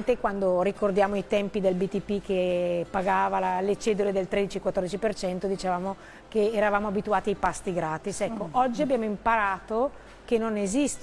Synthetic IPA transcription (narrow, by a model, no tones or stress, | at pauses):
nt̪ekwand̪orikord̪jaːmoit̪ɛmpid̪elbit̪ipːik̟epːaɡaːvalalet͡ʃɛːd̪uled̪elt̪ɾed̪it͡ʃiekwat̪ːɔrd̪it͡ʃipert͡ʃɛnt̪od̪it͡ʃevaːmo | keːɾavaːmoabit̪uaːt̪iajpast̪iɡɾaːt̪isɛkːoʔɔd͡ʒːiabjaːmoimpaɾaːt̪o | kenːonezist̪